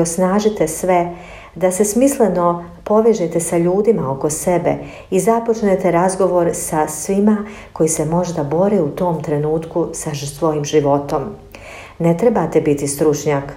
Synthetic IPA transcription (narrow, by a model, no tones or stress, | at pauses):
osnaːʒit̪esʋe̞ | d̪ase̞smisleno̞ | po̞ʋeʒet̪e̞saʎuːd̪imao̞ko̞se̞bḛ | izapot͡ʃnet̪e̞ɾazɡo̞ʋo̞ɾsasʋima | ko̞jise̞mo̞ʒd̪abo̞ɾeut̪o̞ːmt̪ɾe̞nuːt̪kusasʋo̞jiːmʒiʋo̞t̪o̞m | ne̞t̪ɾebat̪ebit̪ist̪ɾut͡ʃɲaːk